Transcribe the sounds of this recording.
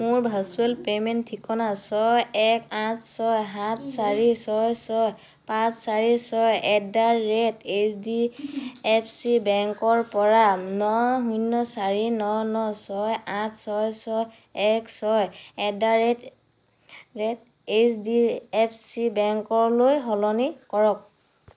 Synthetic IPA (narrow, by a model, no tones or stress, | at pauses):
muɹbʱasuelpemɛntʰːikɔnasɔjɛkãtʰsɔjɦatʰsaɹisɔjsɔj | pãssaɹisɔjɛdaɹːɛtesdi | ɛpʰsibɛŋkɔɹpɔɹanɔɦunːɔsaɹinɔnɔsɔjãtʰsɔjsɔj | ɛksɔjɛdaɹɛt | ɹɛt | esdiɛpʰsibɛŋkɔɹlojɦɔlɔnikɔɹɔk̚